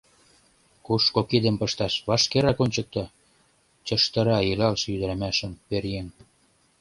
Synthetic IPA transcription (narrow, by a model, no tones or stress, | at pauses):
kuʃkokid̪ə̆mpəʃt̪ɑʃβɑʃkeɾɑkonʲt͡ɕə̆k̚t̪ɑ | t͡ɕəʃt̪ə̆ɾɑilɑlʃjyd̪ə̆ɾæmæʃə̆mpeɾjen